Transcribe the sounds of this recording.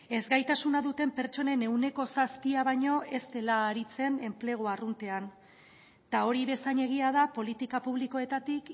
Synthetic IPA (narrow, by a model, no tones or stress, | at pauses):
e̞zɡajt̪asunaðut̪e̞mpe̞ɾt͡ʃo̞ne̞ne̞wne̞ko̞saspiaβ̞aɲo̞ʔe̞st̪e̞laːɾit͡se̞ne̞mple̞ɣ̞oarunt̪e̞an | t̪ao̞ɾiβe̞saɲe̞ɣ̞iað̞apo̞lit̪ikapuβ̞liko̞e̞t̪at̪ik